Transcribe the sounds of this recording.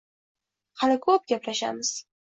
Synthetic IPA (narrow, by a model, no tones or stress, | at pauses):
halɪkʰɵp̚ɡʲaplaʃa̰mɪz̥